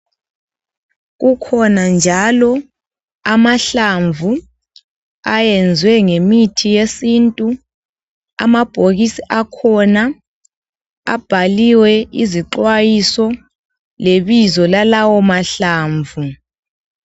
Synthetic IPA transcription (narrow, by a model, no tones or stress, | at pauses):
ɣukʰɔnand͡ʒʱalɔ | amaɬaɱvu | ajɛnd͡zʱwɛŋemitʰijesintʼu | a̰mab̥ʱoɣisiʔakʰɔna | a̰b̥ʱaliwɛiziǃwajisɔ | leβizɔlalawɔmaɬaːɱvu